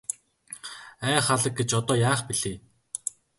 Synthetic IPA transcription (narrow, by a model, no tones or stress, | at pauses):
æːχaɮə̆k̚ɡet͡ɕɔt̪ɔːjaːχpiɮeː